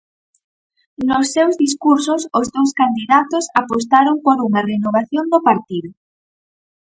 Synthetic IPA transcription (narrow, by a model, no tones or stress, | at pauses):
nʊsːewzðiskuɾsʊsʊzðowskand̪iðat̪osapost̪aɾoŋpoɾuŋɐrenoβ̞aθjond̪opaɾt̪iðʊ